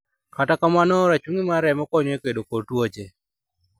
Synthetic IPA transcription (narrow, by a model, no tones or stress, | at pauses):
katakamanɔɾat͡ʃuŋimaɾɛmɔkɔɲekedokotwot͡ʃe